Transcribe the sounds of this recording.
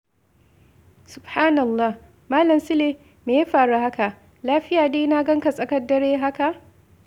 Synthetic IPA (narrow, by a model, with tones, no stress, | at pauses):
sʊ˨bhaː˦nɐ˨lːaː˦˨h | maː˦lɐ˨msɪ˦leː˦ | meː˨ja˦ɸaː˨ɽu˦ha˦ka˨ʔ | laː˦ɸɪ˦jaː˨deː˦na˦ɡɐ˦ŋka˨sʼɐ˨kɐ˦dːɐ˨ɽeː˦ɦa˦ka˨ʔ